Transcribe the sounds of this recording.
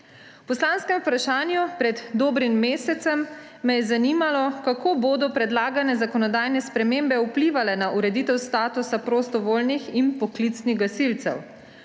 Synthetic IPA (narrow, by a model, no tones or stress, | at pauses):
pɔslanskɛmupɾaʃaːnjupɾɛd̪d̪oːbɾimːeːsɛt̪sɛmː | ɛjɛzaniːmalɔkakoːboːd̪ɔpɾɛd̪laːɡanɛzakɔnɔd̪aːjnɛspɾɛmembɛupliːʋalɛnaʔuɾɛd̪it̪ɛwst̪aːt̪usapɾoːst̪ɔʋoːlniximpɔklit̪sniɣɡasilt̪sɛ̰w